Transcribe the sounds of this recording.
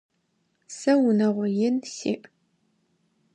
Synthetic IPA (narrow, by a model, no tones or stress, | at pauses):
sɐwʊnɐʁʷɔjɪnsḭːʔ